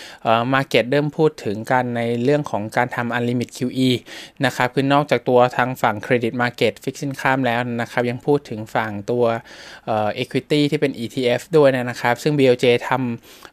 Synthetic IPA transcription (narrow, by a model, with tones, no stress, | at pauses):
ʔɤː˨˩maː˧ke˨˩t̪̚dɤː˥˩mpʰuː˥˩t̪ʰːɯ˩˦ŋka˧nːa˧jɾɯ˥˩əŋkʰɔː˩˦ŋkaː˧nt̪ʰa˧mʔa˧nliː˧mi˨˩t̪̚kʰiː˧wʔiː˧na˦˥kʰa˦˥p̚kʰɯ˧nːɔː˥˩k̚t͡ɕaː˨˩k̚t̪u˧ɐt̪ʰaː˧ŋfa˨˩ŋkʰɾeː˧di˨˩t̪̚maː˧ke˨˩t̪̚fi˦˥k̚si˥˩nkʰaː˥˩mlɛː˦˥wna˦˥kʰa˦˥p̚ja˧ŋpʰuː˥˩t̪ʰːɯ˩˦ŋfa˨˩ŋt̪u˧ɐʔɤː˨˩ʔeː˧kʰwi˦˥t̪iː˥˩t̪ʰiː˥˩pe˧nʔiː˧t̪ʰiː˧ʔe˦˥fdu˥˩əjna˦˥˩na˦˥kʰa˦˥p̚sɯ˥˩ŋbiː˧ʔoː˧wt͡ɕeː˧t̪ʰa˧m